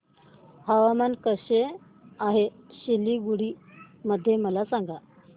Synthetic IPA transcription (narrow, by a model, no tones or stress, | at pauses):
həʋamankəɕe | aɦe | ɕilːiɡuɽiː | məd̪ʱːjeməlasaŋɡa